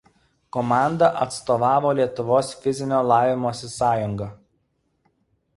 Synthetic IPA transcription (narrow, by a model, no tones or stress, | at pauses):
kɔmɑˑnd̪ɐʔɐt̪st̪oːʋɑːʋoːlʲiɛt̪ʊʋoːsfʲɪzʲɪnʲoːlˠɑːʋʲɪmoɔsʲɪsɑːjʊŋɡɐ